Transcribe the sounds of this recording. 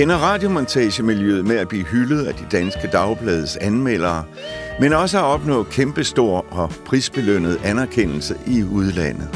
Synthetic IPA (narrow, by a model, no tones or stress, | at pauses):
henɐʁɑ̈ːd̥jo̝mɒnt͡sʰɛːɕəmiljø̰ːð̩ˠmeæb̥lḭːɦyləð̞̩ˠæd̥id̥ænsɡ̥əd̥ɑ̈ʊb̥lɛːðˠəsænmel̰ɐː | menɒ̽səæɒ̽b̥nɔ̰̽ːkʰemb̥əsd̥o̝ɐ̰ɒ̽pʰʁiːsb̥e̝løn̰ð̞̩ˠænæɐkʰen̰l̩səʔiuð̞ˠlæn̰ð̩ˠ